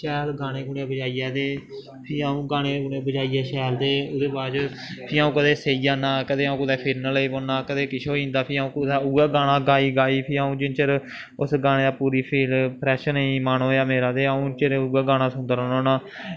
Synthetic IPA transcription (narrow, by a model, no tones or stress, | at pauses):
ʃɛːlɡaːɽ̃eːɡʊɳeːbəd͡ʒaːijɛːd̪eː | pʰiːaːũːɡaːneːɡʊɳeːbəd͡ʒaːiːjɛːʃɛːld̪eːʊd̪eːbaːd͡ʒ | pʰiːaːũːkəd̪eːseːiːd͡ʒaːnaːkəd̪eːaũːkʊd̪ɛːpʰɪɾnələiːboːnaːkəd̪eːkɪʃʰoːĩːnd̪aːpʰiːaũːd̪aːuɡaːɡaːñãːɡaːiːɡaːiːpʰiːaːũːd͡ʒɪnt͡ʃəɾ | ʊsɡaːnẽːd̪aːpuːɾiːpʰiːlpʰɾɛːʃənĩːmaːnoːjaːmeːɾaːd̪eːaũːt͡ʃəɾuːɡaːɡaːɽ̃aːsʊnd̪əɾoːnoːnãː